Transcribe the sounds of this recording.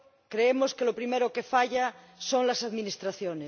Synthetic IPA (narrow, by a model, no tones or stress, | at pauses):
kɾeemoskelopɾimeɾokefaʎa | soŋlasaðminist̪ɾaθjone